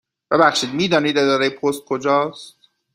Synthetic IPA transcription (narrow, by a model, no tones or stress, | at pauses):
b̥ebæχʃiːd̪miːd̪ɒːniːd̪e̞d̪ɒːɾejepʰost̪̚kʰod͡ʒɒːst̪̚